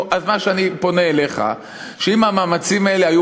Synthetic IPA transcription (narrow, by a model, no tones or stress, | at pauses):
ʔazmaʃeanipo̞neːle̞χa̰ | ʃeimamaːmat͡simae̞le̞ɦaju